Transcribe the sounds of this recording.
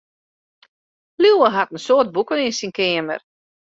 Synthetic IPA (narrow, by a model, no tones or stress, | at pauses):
luwəɦatən̩soːt̚bukəninsinkɪəmə̰r